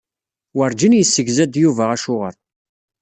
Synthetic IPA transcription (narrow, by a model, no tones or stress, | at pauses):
wəɾd͡ʒənjəsːəɡzæd̪juvæʁæʃʊʁə̰ɾ